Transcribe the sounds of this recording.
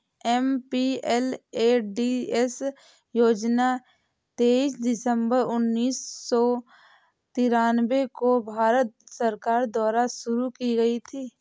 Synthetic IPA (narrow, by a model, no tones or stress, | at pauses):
ɛmpiɛleːɖies | joːd͡ʒna | t̪eːiːsd̪ɪsə̃mbəɾʊnːiːsːɔ | t̪ɪɾaːnwekobʱaːɾət̪̚səɾkaːɾd̪wɔːɾaʃʊɾukiɡɐit̪ʰiː